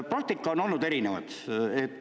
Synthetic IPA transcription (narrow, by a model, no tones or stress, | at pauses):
prɑk̚t̪ikːˑɑono̞lnud̪e̞ɾinevɑ̰d̪̥et̪ːˑ